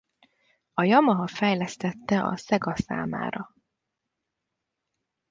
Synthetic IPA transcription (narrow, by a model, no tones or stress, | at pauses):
ɒjɒmɒɦɒfɛjlɛst̪ɛt̪ːɛʔɒ̰sɛɡɒsa̰ːma̰ːɾɒ